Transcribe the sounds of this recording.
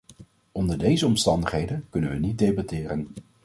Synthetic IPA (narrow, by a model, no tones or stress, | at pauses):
ɔndəɹdejzəɔmstɑndəχɦejdənkɵnənʋənit̚dejbɑtɪːɾən